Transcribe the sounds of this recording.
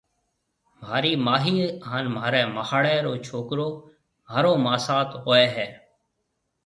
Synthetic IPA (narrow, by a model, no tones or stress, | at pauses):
maːɾiːmaːɦiːaːnmaːɾɛːmahaːɽɛːɾoːt͡ʃʰoːkɾoː | maːɾoːmaːsaːt̪ɦoːɛːɦɛː